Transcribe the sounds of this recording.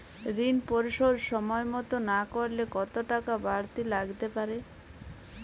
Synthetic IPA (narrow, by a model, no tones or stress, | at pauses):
ɾinpoɾiʃoɾʃɔmɔemɔt̪onakoɾlekɔt̪oʈakabaɾt̪ilaɡt̪epaɾe